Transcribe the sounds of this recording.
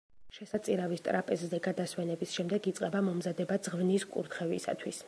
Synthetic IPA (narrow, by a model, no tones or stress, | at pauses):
ʃɛsat̪sʼiɾavist̪ʼɾapʼɛszɛɡad̪aswɛnɛbisʃɛmd̪ɛɡit̪sʼqʼɛbamɔmzad̪ɛbad̪z̥ʁvniskʼṵɾt̪χɛvḭsa̰t̪ʰwis